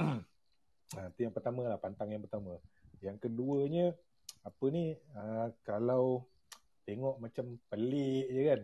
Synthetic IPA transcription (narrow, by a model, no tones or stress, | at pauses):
at̪ujaŋpərt̪amə̃lahpant̪aŋjaŋpərt̪amə̃jaŋkəduəɲə | apəniəkalaw | t̪eŋɔʔmat͡ʃampəliʔjəkan